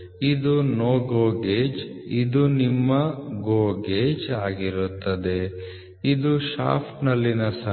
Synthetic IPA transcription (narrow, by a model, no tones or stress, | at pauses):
id̪unoːɡoːɡeːd͡ʒid̪unimːɐɡoːɡeːd͡ʒaːɡiɾut̪ːɐd̪e | id̪uʃa̰ːpʰʈnɐlːinɐsɐ